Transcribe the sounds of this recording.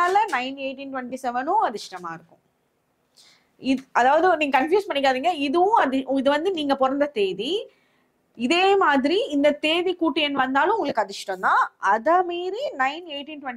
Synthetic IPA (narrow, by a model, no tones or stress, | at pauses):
lɐnɐɪneːʈːinʈʋɐɳʈisɛʋɐnʊ̃ɐðɪʂʈɐma̰ːɪɾɯkːʊ̃ | ɪʔɐðaːʋɐðɯniːŋɡɐkɐnfjuːspɐɳːɪkːaːðiːŋɡɐɪðɯʋʊ̃ɐðɪɪðɯʋɐnd̪ɯniːŋɡɐpɔɾɐnd̪ɐt̪eːði | ɪðeːmaːðɪɾiɪnd̪ɐt̪eːðikuːʈːɪjɛnːʋɐnd̪aːlʊ̃ʊŋɡɐɭɯkːɯɐðɪʂʈɐ̃md̪ãːɐðɐmeːɾinɐɪneːʈːinʈʋɐɳ